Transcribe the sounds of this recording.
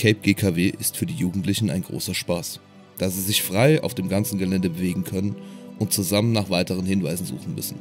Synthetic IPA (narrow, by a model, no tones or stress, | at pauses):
kʰɛɪp̚ɡ̥eːkʰaːveːʔɪstfyːɐdiːjuːɡŋ̩tlɪçn̩a̰ɪnɡʁo̰ːsɐʃpaːs | d̥aːziːzɪçfʁ̥aɪa̰ʊfd̥eːmɡant͡sn̩ɡəlɛndəbəveːɡŋ̩kʰœnənʊntt͡suzamənːaːχv̥aɪtəʁ̞ənhɪnvaɪzn̩zṵːχn̩mʏ̰sn̩